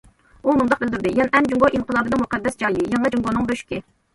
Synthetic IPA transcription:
umund̪ɑq̚bɪld̪yɾd̪ɪjɛnʔɛnd͡ʒuŋɡoʔimqʰəlˠɑːbɨnɨŋmuqɛd̪ːɛsd͡ʒɑjlɪjɑŋɛd͡ʒuŋɡonɨŋbøʃkʲɪ

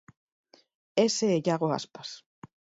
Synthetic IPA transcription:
eseːʎaɣoa̰spḁs

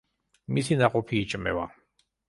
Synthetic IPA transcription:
misinaqʼɔpʰiːt͡ʃʼmɛ̰wa

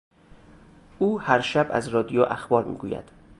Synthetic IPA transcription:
ʔuːhæɾʃæbæ̰zɾɒːd̪ijoʔæxbɒːɾmḭːɡuːjæ̰d̪̥

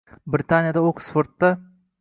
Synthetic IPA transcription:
bɾɪt̪ʰanjad̪aoqʰsfoɾt̪ːa

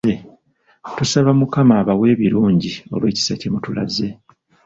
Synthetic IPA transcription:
e | tusaβamukamaːβawe̞ːβiɾuːɲɟio̞̰lweːci̥sacemutula̰ze̞

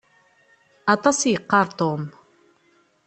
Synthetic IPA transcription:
ʔɑt̪ɑsiqːɑɾˤt̪om

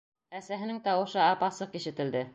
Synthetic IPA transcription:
æsæɦɘ̆nɘŋt̪ɑwɤ̆ʃɤɑpɑsɤqiʃɘ̆t̪ɘ̆ld̪ɘ

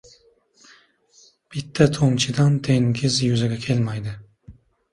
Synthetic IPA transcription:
b̥it̪ʰːɛt̪ʰoŋt͡ʃʰid̪ɑnt̪ʰeŋɡʲizjyzɛɡʲɛkʲʰelmɑjd̪ɨ

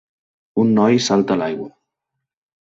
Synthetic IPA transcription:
unːɔjsalt̪alajɣwo

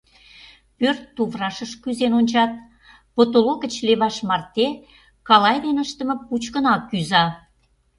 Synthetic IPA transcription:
pørt̪ːuvrɑʃəʃkyzenonʲt͡ɕɑt̪̚ | pot̪oloɣə̆t͡ɕleβɑʃmɑrt̪e | kɑlɑjd̪enəʃt̪ə̆mɤ̆put͡ɕkənɑkːyzɑ

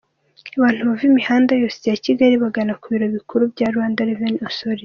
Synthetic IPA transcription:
aβaːn̥huβavimihaːndajoːsejaciɡaɾiβaɡanakuβiɾo̞βikuɾubɟaːɾuhaːndaɾevenosoɾi

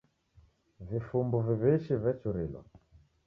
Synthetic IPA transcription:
vifumbuviβiʃivɛt͡ʃuɾilɔ̰

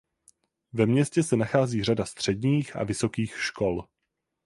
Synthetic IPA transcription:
vɛmɲɛscɛsɛnaxaːziːr̝adast̪r̝̥ɛdɲiːxʔa̰vɪso̞kiːxʃko̞l

